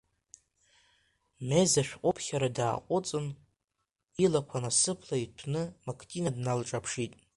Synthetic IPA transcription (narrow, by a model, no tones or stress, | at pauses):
mezaʃᶣqʷʼʊpʰχʲaɾadaːqʷʼʊt͡sʼɨn | ilakʷʰanasɨpʰlaitʰnɨmakʰtʰʼinadnalʈ͡ʂʼapʰʂitʼ